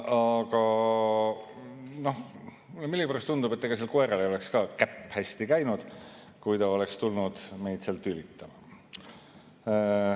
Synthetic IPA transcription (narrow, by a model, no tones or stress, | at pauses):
ɑɡ̥ɑ | no̞h | milːeɡipeɾɑst̪und̪ube̞t̪ːeɡ̥ɑselkoe̞ɾeleole̞kskɑːkæpːhæst̪ikæjnud̪̥ | kujt̪ɑo̞le̞kst̪ulnud̪̥me̞jd̪̥selt̪ylit̪ːˑɑmɑ